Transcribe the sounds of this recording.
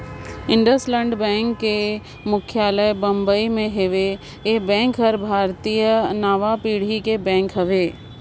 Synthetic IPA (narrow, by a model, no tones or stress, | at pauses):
ɪ̃ɳɖəslə̃ɳɖbɛ̃ːŋkːe | mʊkʰjaːləjbə̃mbəimẽɦeʋe | ebɛ̃ːŋkɦəɾbʱaːɾt̪iːjənaːʋapiːɽ̤ikebɛ̃ːŋkɦəʋeː